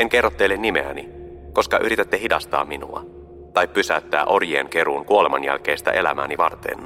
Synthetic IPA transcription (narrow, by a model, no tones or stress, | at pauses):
eŋke̞rːot̪ːelːenːime̞̰æ̰ni | ko̞skɑʔyɾit̪et̪ːehidɑst̪ɑ̰ːminṵɑ̰ | t̪ɑjpːysæøt̪ːæ̰ːʔo̞rjeːnke̞ɾuːŋkuo̞lemɑnjæ̰lk̟e̞ːst̪æ̰ʔe̞læ̰mæ̰ːniʋɑ̰rt̪ḛn